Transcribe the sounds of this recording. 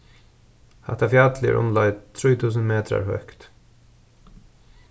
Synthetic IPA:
hɑ̰t̪ɑfjɑːt̪lɪ̰ɾʔɔ̰nlɑɪt̪ʰɾuːt̪ʰʉːs̬ənmeːt̪ɾa̰ɾhœkt̪

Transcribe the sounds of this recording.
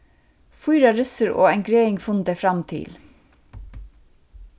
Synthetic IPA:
fʊjɾɑɾʏsəɾo̰ːæŋɡɾeːɪŋfʊnd̪əfɾɑmt̪ʰɪ̰l

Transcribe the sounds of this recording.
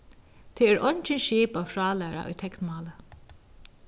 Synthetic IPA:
t̪ʰɛɛɾʔɔɲt͡ʃɪnʃiːpafɹɑːlæːɾa̰ʔʊ̰jt̪ʰɛknmɑːlə

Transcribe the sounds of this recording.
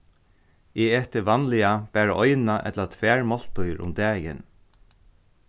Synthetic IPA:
ɛɛːht̪ɪʋanlɪab̥æːɹaʔɔjnaʔɛ̰t̪lat̪ʰʋɛːɹmɔl̥t̪ʊjɾʊ̰md̪ɛːjɪ̰n

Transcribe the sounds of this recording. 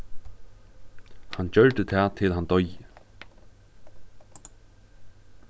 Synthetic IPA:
hand͡ʑœɻt̪ət̪ʰɛːt̪ʰɪlɦant̪ɔjə

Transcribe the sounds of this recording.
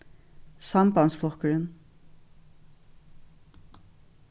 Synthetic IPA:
sɑmbɑnsflˠɔkəɹən

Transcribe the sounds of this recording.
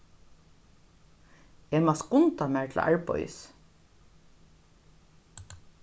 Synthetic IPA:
ɛmaskʊnt̪amaːɹt̪ʰla̰ɹpɔ̰j̰s

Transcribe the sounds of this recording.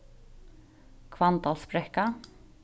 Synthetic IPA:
kʰvant̪alspɾɛhka

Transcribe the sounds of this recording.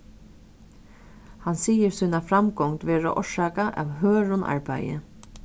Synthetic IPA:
hansiːjəɾsuːnafɾamkɔŋt̪ʋɛːɹaʔɔʂaːkaʔa̰wɦøːɾʊnʔa̰ɹpa̰jə̰

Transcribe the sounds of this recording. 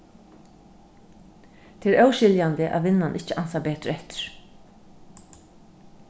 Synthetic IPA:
t̪ʰɪɾœwʃɪljand̪əʔa̰ʋʋɪnːanʔɪt͡ʃɪʔansabeːt̪ɾɛht̪ɪ̥ɾ̥

